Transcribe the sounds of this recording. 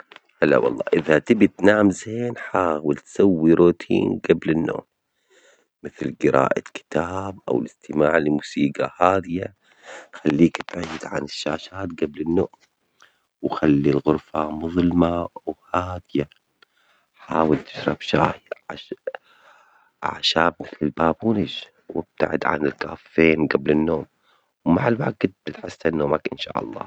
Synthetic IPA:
halːa̰wɑ̰lˤːɑ̰ːʔɪðat̪ɪbit̪naːmzeːnħaːwɪlt̪sawːiɾoːt̪ʰḭːnɡablɪnːo̰ːm | mɪθlɡɪɾa̰ːʔakɪ̥t̪ʰaːbʔa̰wɪlɪst̪ɪmaːʕlɪmuːsiːɡahaːd̪ɪja | xalːiːkt̪ʕiːd̪ʕa̰nɪʃːaːʃaːt̪ɡablɪnːʊʔ | wxalːilɣʊɾfamʊðˤlmawhaːd̪ɪja | ħaːwɪlt̪ɪ̥ʃɾˤɑbʃaːħjʕ | ʕa̰ʃaːb̚mɪθlɪlbaːbuːnɪd͡ʒ | wɪb̚t̪a̰ʕɪ̰d̪ʕa̰nɪlka̰ːfːeːnɡablɪnːoːm | wmaʕalwaɡt̪̚bɪt̪ħɪsːanːoːmakʔɪnʃa̰ːʔɑ̰lˤːɑ̰ː

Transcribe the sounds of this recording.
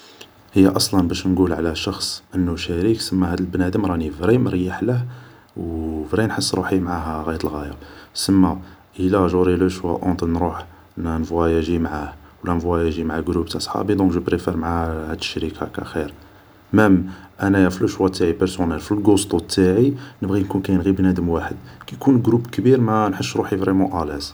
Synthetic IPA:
həjːaʔɑsˤlɑnbæʃnɡulʕlæʃɑxsˤʔənːuʃæɾiksəmːæhæd̪əlbnæd̪əmɾˤɑnifɾiməɾjəħləh | wfɾinħəsˤːɾˤuħimʕaɦæɣæjət̪əlɣæja̰səmːaʔəlæʒuɾiluʃwæ̰ʔõt̪ˤənɾuħ | nnvwæjæʒimʕahwlænvwæjæʒimʕaɡɾubt̪ɑsˤħɑ̰bid̪ɔ̃kʒəpɾefɛɾmʕahæd̪əʃːɾikʰa̰kæ̰xiɾ | mæmʔænæjæfiləʃwæt̪ʰːaʕipəɾsunælfilɡost̪ut̪ʰːaʕinəbɣinkunkæjənɣibnæd̪əmwaħəd̪kæjkunɡɾupkbiɾmænħəʃɾuħivɾɛmɑ̃ʔælæs

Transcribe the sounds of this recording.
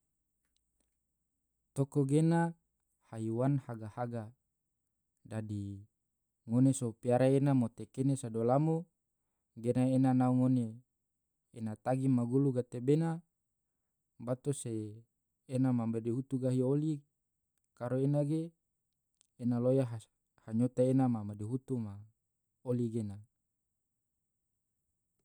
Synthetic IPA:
t̪okoɡena | hajiwanhaɡahaɡa | dadi | ŋonesopiaɾaenamot̪ekenesadolamo | ɡenaenanauŋoneː | nat̪aɡimaɡuluɡat̪ebena | bat̪oseː | namamadeɦut̪uɡaɦioli | kaɾoenaɡe | nalojaɦ | haɲot̪aenamamadeɦut̪uma | oliɡena

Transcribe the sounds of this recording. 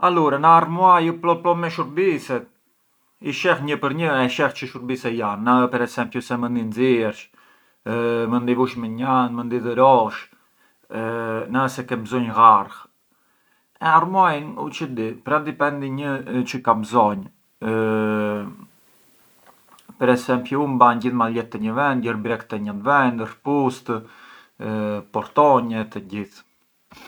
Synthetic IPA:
aluɾanaaɾmuajuplɔplɔmɛʃuɾbisɛt̪̚ | iʃɛxɲəpəɾɲəɛʃɛxt͡ʃəʃuɾbisɛjanːapɛɾɛsɛmpjɔsɛmənd̪inziɾt͡ʃ | mənd̪ivuʃmɛɲanmənd̪iðəɾɔʃ | nasɛkɛbzɔɲɣaɾx | ɛaɾmɔjnṵt͡ʃəd̪ipɾɛnd̪ipɛnd̪iɲət͡ʃəkamzɔɲ | pəɾɛsɛmpjuumbaɲɟiθmalɛt̪ːɛɲəvɛnd̪̚ɟəɾbɾɛkt̪ɛɲand̪vɛnd̪ərpust̪ | pɔɾt̪ɔɲɛt̪əɟiθ

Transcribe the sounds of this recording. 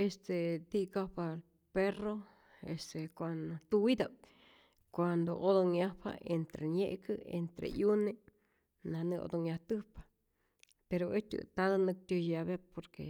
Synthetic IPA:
est̪ed̪ikapal | pero | est̪ekʷand̪ot̪uwid̪ap̚ | kʷand̪oʔod̪oŋjapa̰ʔent̪ɾeɲjeʔkɨḛnt̪ɾḛjune | nanɨʔo̰d̪oŋjaht̪ɨpḁ | peɾoet͡ʃ̪ɨ̰t̪ad̪anɨk̚t̪ʲjojabepoɾkḛ

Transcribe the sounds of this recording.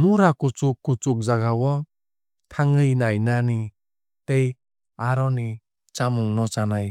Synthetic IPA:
nuɾakut͡ʃukːut͡suk̚zaɡawɔ | t̪ʰaŋɯjnajnani | tej | aɾɔni | t͡ʃamuŋnɔt͡ʃanaj

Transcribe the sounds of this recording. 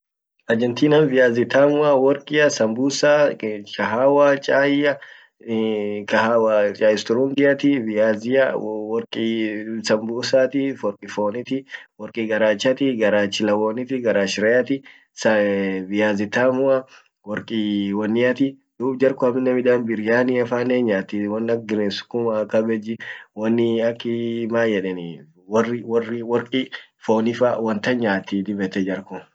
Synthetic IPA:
ʔɐd͡ʒɛnt̪iːnɐnvɪjaːzɪt̪aːmʊɐwɔɾkʼɪjɐsɐmbuːsaːkɐɦaːwaːt͡ʃʼaːjɐ | kɐhaːwat͡ʃʼaːjɪst̪ʊɾuŋɡɪjɐt̪ɪvɪaːzɪawɔɾkʼisɐmbuːsaːt̪ɪfɔɾkʼɪfoːnɪt̪ɪwɔɾkʼiːɡɐɾaːt͡ʃːɐt̪ɪɡɐɾaːt͡ʃːɪlɐwoːnɪt̪ɪɡɐɾaːʃɪɾɛjɐt̪ɪ | sɐbɪjaːzɪt̪aːmʊɐ | wɔɾkʼiwɐnːɪjɐt̪ɪ | d̪̥uːbd͡ʒɐɾkʊɐmɪnːɐmɪd̪aːnbɪɾjaːnɪɐfaːneːɲaːt̪ːiwɐnːɐɡɪɾeːsʊ̥kːʊmɐkɐbɛd͡ʒɪwɐnːɪɐkːɪmaːjɛᶑɛnɪ | wɐrɪwɔrːɪwɔɾkʼifoːnɪfawɐnt̪ɐɲaːt̪ːid̪ɪbɛt̪ɛd͡ʒɐɾkʊ

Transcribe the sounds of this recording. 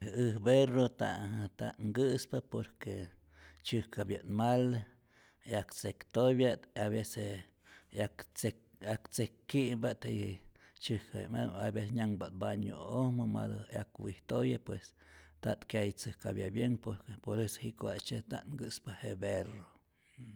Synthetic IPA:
hɨhberot̪a̰ʔt̪aʔŋɡɨspapoɾke | t͡ʃɨhkabjanmal | akt͡sekt̪ojbjat̪aβese | akeakt͡sekːiʔbat̪ | t͡ʃɨhkabjḛnmalabeseɲʲaŋbat̪̚baɲo̰ohmɨma̰d̪ojakwiht̪ojapwes | t̪aʔt̪kjajt͡sɨhkabjabjeŋpoɾkepoɾesohiʔkʷat͡ʃet̪a̰ʔŋɡɨspahebero

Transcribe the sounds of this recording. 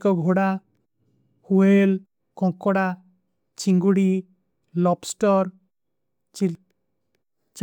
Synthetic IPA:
kɔɡʱoɽa | huel | kɔ̃ŋkːɔɽa | t͡ʃiŋɡuɽi | lɔpsʈɔɾ | t͡ʃi | t͡ʃ

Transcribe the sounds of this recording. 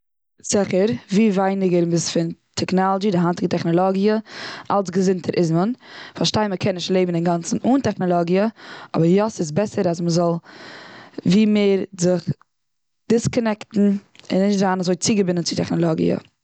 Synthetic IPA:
z̥ɪχəɾviːvaɪnɪɡəɾɪbɪsfɪntʰɛknɔlˠɔd͡ʒidɪɦantɪɡətɛχnɔlˠɔɡjəʔalˠsɡəzɪntʰəɾʔɪsmənfaɾʃtaɪnməkʰɛnɪʃtlˠeɪbmn̩ɪnɡant͡sn̩uːntɛχnɔlˠɔɡiəɔ̰bəɾjɔsɪs̬bɛsəɾasməzɔlˠ | viːmeːɾzɪχ | d̥ɪskɔnɛktn̩ɪ̰nːɪʃtzaːnazoɪt͡sɪɡəbɪnənt͡sɪtɛχnɔlˠɔɡḭə̰

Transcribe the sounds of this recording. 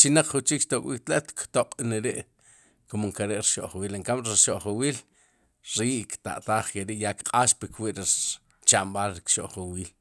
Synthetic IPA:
t͡ʃinaq͡χχut͡ʃiːkʃt̪okwḭːk̚t̪laʔt̪kʰt̪oqʼneɾeʔ | komoŋkaɾeʔɾiʃoʔχwiːleŋkamɾiɾʃoʔχowiːl | ɾiːʔkt̪a̰ʔt̪aːχkeɾiʔjakqʼaːʃpikwiʔɾi | t͡ʃamɓaːlɾikʃoʔχowiːl

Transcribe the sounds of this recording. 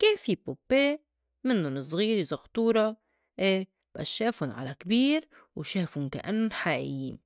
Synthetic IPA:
keːnfipopːeː | mɪnːʊnɪsˤɣiːɾizaxt̪ˤuːɾˤɑ | ʔeː | b̥ʔa̰ʃːeːfʊnʕa̰lakbiːɾ | wʃeːfʊnka̰ʔa̰nːʊnħaːʔɪ̰jːḭːn

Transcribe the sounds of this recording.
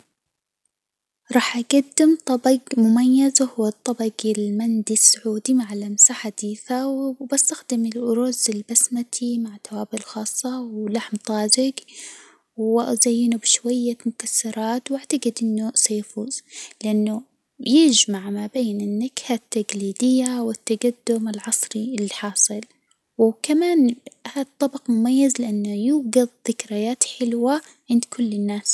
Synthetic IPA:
ɾˤɑːħʔaɡad̪ːɪmt̪ˤɑbɑɡmʊmajːazhʊwːɑt̪ˤːɑbɑɡɪlmand̪isːʊʕuːd̪imaʕalamsaħad̪̥iːθawbast̪axd̪ɪmɪlʔʊɾʊzɪlbasmat̪ʰimaʕt̪awaːbɪlxɑːsˤːɑwlaħmt̪ˤɑːd͡ʒɪɡ | wʔazajːɪnubɪʃwajːamʊkasːɑɾˤɑːt̪wɪʕt̪aɡɪd̪ʔɪnːʊsajafuːz̥lɪʔanːu | jɪd͡ʒmaʕmabeːnʔɪnːakhat̪ːaɡliːd̪ɪjːawɪt̪ːaɡad̪ːʊmɪlʕɑsˤɾiɪlːiħɑːsˤɨl | wɪkamaːnhat̪ˤːɑbɑqmʊmajːazlɪʔanːjuːɡaðˤðɪkɾajaːt̪ħɪlwa | ʕɪnd̪kʰʊlːɪnːaːs

